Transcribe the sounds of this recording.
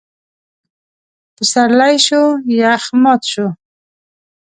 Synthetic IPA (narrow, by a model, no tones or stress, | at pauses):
pəsaɾlajʃojaːxmat̪ʃo